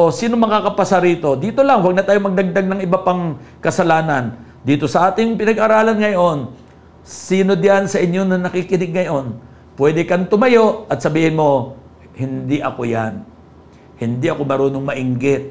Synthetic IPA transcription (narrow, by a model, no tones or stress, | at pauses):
osiːnomɐkakɐpɐsaɾiːt̪o̞d̪iːt̪o̞lɐŋwɐɡ̚nɐt̪aːjomɐɡ̚d̪ɐɡ̚d̪aɡ̚nɐŋɪbapaŋkɐsɐlaːnɐn | d̪iːt̪o̞sɐʔaːt̪ɪŋpɪnɐɡʔaɾaːlɐnŋɐjo̞n | siːno̞d̪jansɐʔɪɲjo̞nɐnɐkikɪnɪɡ̚ŋɐjo̞n | pwɛːd̪ɛkɐnt̪ʊmɐjo̞ʔɐt̪̚sɐbiːhɪnmo̞ | hɪnd̪iʔɐkoja̰n | hɪnd̪iʔɐko̞mɐɾoːnoŋmɐʔɪŋɡɪt̪̚